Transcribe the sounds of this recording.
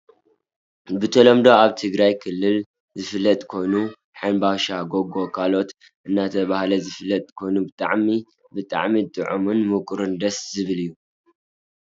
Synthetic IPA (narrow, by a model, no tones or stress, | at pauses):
bɨt̪ʰɐlomd̪o̞aβt̪ʰɨɡɾajkʰɨlːɨl | zɨfɨlːɐt̪ʼkʰo̞jnu | ħajnbaʃaɡoɡo̞kʰalo̞t̪ | ʔɨnːat̪ʰɐβahlɐzɨfɨlːɐt̪ʼkʰo̞jnubɨt̪ʼa̰ʕmi | bɨt̪ʼa̰ʕmit̪ʼɨʕumunmukʼɾɨnd̪ɐszɨβɨlɨjːu